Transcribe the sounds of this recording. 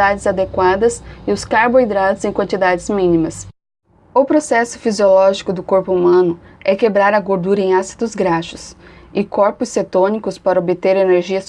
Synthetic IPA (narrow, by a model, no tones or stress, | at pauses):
ad͡ʒɪzad̪ekwad̪ɐsɪʊskaɾboid̪ɾat̪ʊzẽj̃kwɐ̃nt͡ʃid̪ad͡ʒɪzmĩnimɐs | ʊpɾosɛsʊ̥fiziolɔʒikʊd̪ʊkoɾpʊumɐ̃nʊ | ɛkebɾaɾɐɡoɾd̪uɾɐẽj̃asi̥d̪ʊzɡɾaʃʊ̥s | ɪkɔɾpʊsːet̪õnikʊspaɾɐobɪt̪eɾeneɾʒiɐs